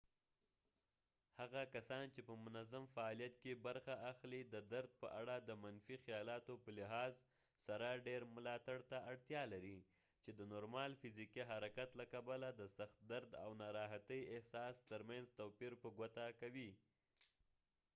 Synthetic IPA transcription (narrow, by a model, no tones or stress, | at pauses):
haɣakasɑnt͡ʃepəmʊnazamfaːlijat̪kebaɾxaaxlid̪əd̪aɾd̪̚pəʔaɽad̪əmanfixjɑlɑt̪opəlɪɦɑz | saɾaɖeɾmʊlɑt̪aɽt̪aːɽt̪jɑlaɾi | t͡ʃed̪ənoɾmɑlfɪzikiɦaɾakat̪lakabalad̪əsaxt̪̚d̪aɾd̪a̰wnaɾɑɦat̪əjɪhsɑst̪əɾmanzt̪awpiɾpəɡwat̪akawi